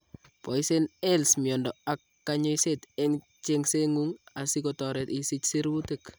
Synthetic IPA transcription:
pɔ˨jsenɛlsmjɔ˨ndɔa˨kːaɲɔ˦jsete˦ŋ | t͡ʃe˦ŋse˦ŋuŋa˨sikɔtɔ˨ɾɛ˨tisi˦t͡ʃsi˦ɾu˦tek

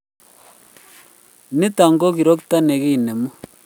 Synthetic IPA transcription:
ni˦ta˨ŋɡo˦ki˨ɾo˦kta˦ne˨ɣi˦˨ne˨mu˦

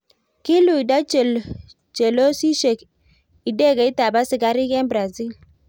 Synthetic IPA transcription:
kɪ˦lu˨i˨da˦t͡ʃl | t͡ʃɛ˨lo˦si˦ʃe˨k | i˨dɛ˦˨ɡɛ˨˦i˦ta˨ba˦sɪ˨ɡa˦ɾɪ˦ɡɛ˦nbɾa˨zi˦˨l

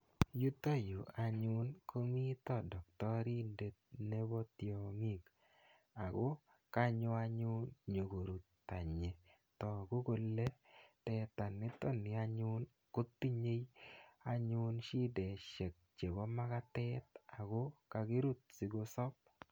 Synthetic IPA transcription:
ju˦t̪o˦jo˨a˨ɲʊ˦nkʰo˦mi˦t̪ɔ˦˨dɔ˨k̚tɔ˦ɾi˦nde˨t̪̚ne˦bɔ˦tjo˨ŋi˦k | a˨ɡo˦ | ka˦ɲʊ˦a˦ɲʊ˦nɲo˨ɡo˨ɾu˨t̪ | ta˨ɲe˨ | tɔ˨ɡo˦ko˧lːe˦tɛ˨t̪a˨nɪ˦tɔ˦˨nɪ˨a˦ɲʊ˦n | ko˦t̪ːi˦ɲe˦ja˦ɲʊ˦nʃi˦de˨ʃe˨k̚t͡ʃe˨bɔ˦ma˦ka˦tɛ˦t̪a˨ɡo˦ka˨˧ki˦ɾu˦t̪̚si˨ɡo˦sɔ˦p̚

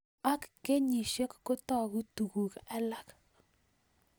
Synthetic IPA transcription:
a˦kːe˦ɲi˨ʃe˦kːo˦tɔ˦˨ku˦tu˨ku˨kɛ˦la˦k

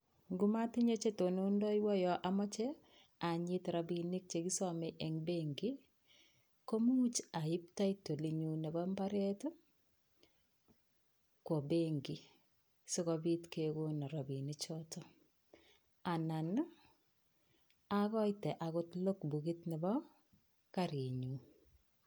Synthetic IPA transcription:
ŋɡu˦ma˦tɪ˦ɲe˦t͡ʃe˦to˨no˦ndɔ˦jwɔ˦jɔ˨ʔa˨mɔ˦t͡ʃe˦ | a˨ɲɪ˦tɾa˨bi˨nɪ˦k̚t͡ʃe˨ki˦sɔ˦mɛ˨ʔɛ˨ŋbe˦ŋɡi˦ | ko˦mu˦t͡ʃa˨ɪ˦p̚ta˦i˦to˨li˨ɲu˨nɛ˨ba˦mba˦ɾe˦to˦ | kwo˨be˦ŋɡi˨ | so˦kɔbi˦tke˨ɡo˦nɔ˨ɾa˨bi˨ni˦t͡ʃɔ˦tɔ˦ | a˨na˨n˦ | a˦ɣɔ˦jtɛ˨ʔa˨ɣʊ˦tlo˦kbu˨ɡi˦tnɛ˨bɔ˦ | ka˦ɾe˨ɲu˨˦

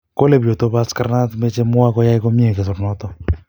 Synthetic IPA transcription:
ko˦le˨bjo˨to˦βa˦ska˦ɾna˦tme˦t͡ʃe˦mʊ˦a˦kɔ˦ja˦i˦ko˦mje˦˨ke˨s̬ʊ˨ɾnɔ˦tɔ˦

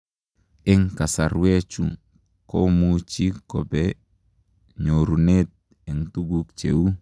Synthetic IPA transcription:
ɪ˦ŋka˨sa˨ɾwe˦t͡ʃṵ˦ | kɔ˦mut͡ʃi˦kɔ˨bɛ | ɲo˨ɾunet̚ | ɛ˨ŋtu˦ɡukt͡ʃḛ˨wu˦

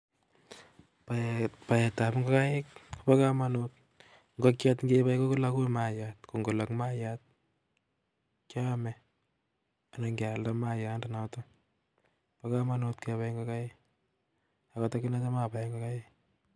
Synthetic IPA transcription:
papa˨jɛ˨ta˨pŋɡɔ˦ka˦jɪ˦kpa˦ka˦ma˦not̚ | ŋɡo˦kjatŋɡepa˦jko˦ko˦la˦ku˦ma˨jat̚ko˨ŋɡo˨la˨kma˦jat̚ | kja˦mɛ | a˨naŋɡa˨ldamaja˨ndana˨tɔ | paka˦ma˦notkepa˦ŋɡoka˦jɪk̚ | a˨kɔ˦tɔ˦ki˦na˦t͡ʃa˦mapa˨jŋɡa˦ka˦jɪk̚

